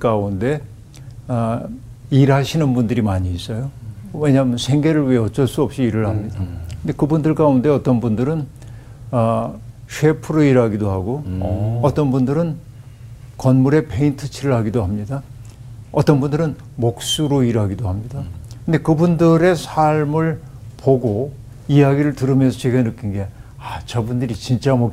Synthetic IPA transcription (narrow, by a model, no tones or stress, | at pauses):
k͈aunde̞ | iɾɦaɕʰinɯnbundɯɾimaɲiːs͈ʌjowe̞ɲaːmʌnsʰe̞ŋɡe̞ɾɯɭwieʌt͡ɕ͈ʌɭs͈uʌp̚ɕ͈iːɾɯɭhamɲidakɯnde̞kɯbundɯɭkaunde̞ʌt͈ʌnbundɯɾɯn | ɕʰe̞pʰuɾoiɾɦaɡidoɦaɡoʌt͈ʌnbundɯɾɯn | kʌnmuɾe̞pʰeintʰɯt͡ɕʰiɾɯɭɦaɡidoɦamɲida | ʌt͈ʌnbundɯɾɯn | mok̚s͈uɾoiɾaɡidohamɲidakɯnde̞kɯbundɯɾe̞sʰaɭmɯɭ | poɡo | ijaɡiɾɯɭtɯɾɯmjʌnsʰʌt͡ɕwe̞ɡanɯk͈inɡe̞ | at͡ɕʌbundɯɾit͡ɕint͡ɕ͈amʌ